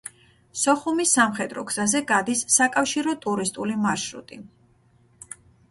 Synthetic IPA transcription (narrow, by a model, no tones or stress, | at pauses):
sɔχumisamχɛd̪ɾɔɡz̥azɛɡad̪isːakʼafʃiɾɔt̪ʼuɾist̪ʼulimaɾʃɾṵt̪ʼi